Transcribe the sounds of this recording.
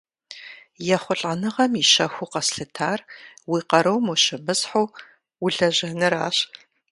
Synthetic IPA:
jɛχʷʊɬʼɐnɨʁɐmiʃɐxʷʊqɐsɬɨtʰaːrwiːqɐɾɐwmoʃɪbɨsħow | wʊɮɐʑɐnɨɾaːɕ

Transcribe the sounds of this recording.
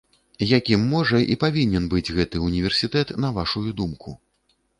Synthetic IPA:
jakʲimːɔʐɐʔḭpavʲinʲɛnbɨd͡zʲɣɛt̪ɨunʲivʲɛrsʲit̪ɛt̪nɐvaʂujud̪umkʰu

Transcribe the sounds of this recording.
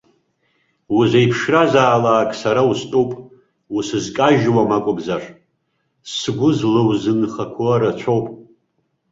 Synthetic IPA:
wuzʷejpʰʂrazaːlaːkʼsaɾaustʼowpʼ | usɨzkʼaʒwamakʷʼʊmzaʂ | sɡʷʊzlɨwzɨnχakʷʰoɾat͡ɕʷʰowpʼ

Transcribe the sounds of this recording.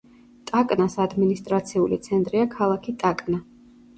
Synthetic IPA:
t̪ʼakʼnasad̪minist̪ʼɾat̪sʰiulit̪sʰɛnt̪ʼɾiakʰalˠakʰit̪ʼakʼna

